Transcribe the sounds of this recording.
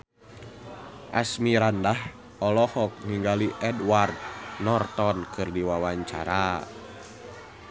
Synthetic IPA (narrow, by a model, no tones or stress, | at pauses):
ʔa̰smiɾandah | ɔlɔhɔk̚ŋiŋɡaliʔɛdward̪̚nɔrt̪ɔnkɨrdiwawaɲt͡ʃa̰ɾa